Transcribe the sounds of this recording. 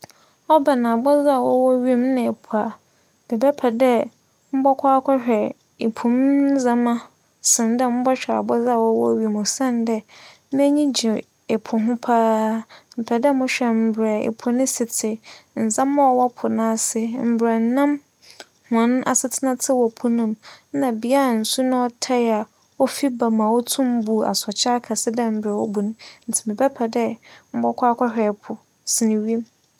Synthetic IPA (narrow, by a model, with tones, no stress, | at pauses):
ɔ˦ba˨nã˨a˨bɔ˦za˦a˨wɔ˦wɔ˦ɥi˦˨mnɪ̃˨ɛ˨pʰu˨a˨ | d̥ɛ˨bɛ˦pʰɛ˨dɛ˦ | m̩˦bɔ˦kʷʰa˦kʷʰɔ˦hᶣɛ˨ | e˨pʰũ˨m˦zã˨mã˦ | sɪ̃˨ndɛ˦m̩̃˦bɔ˦ɕᶣɛ˨a̰˨bɔ˦za˦a˦˨wɔ˦wɔ̰˦ɥi˦˨mʊ˨sã˦˨ndɛ˦ | mɛ˦ɲĩ˦d͡ʑi˨ | e˨pʰʊ˨ɦʊ̃˦pʰaː˦m̩˨pʰɛ˨dɛ˦mʊ̃˦ɕᶣɛ˨m̩˨bɾɛ˨ḛ˨pʰʊ˨nɪ̃˦sɪ˨tʰɪ˨n̩˨zã˦mː˦ã˦ɔ˨wɔ˦pʰʊ˨nã˦sɪ˦m̩˨bɾɛ˨n˨˦nã˦m | hã˨˦ñ˦ʔa˨sɪ˦tʰɪ˦nã˦tʰɪ˦wɔ˨pʰʊ˦nʊ̃˦m˦nã˨bi˨a˦˨n̩˨su˦nʊ̃˦ɔ˦tʰa˦ja˨ | ɔ˦fi˦ba˨mã˨wɔ˦tʰũ˦m˦bu˨a̰˨sɔ˨t͡ɕʰa˦kʰa˨sɪ˦dɛ˦m̩˨bɾɛ˨wɔ˦bu˨nʊ̃˦n̩˨tʰɪ˨mɪ̃˨bɛ˦pʰɛ˨dɛ˦m̩˦bɔ˦kʰʷa˦kʰʷa˦hᶣɛ˨pʰʊ˨ | sɪ˨nɪ̃˨wi˦e˦m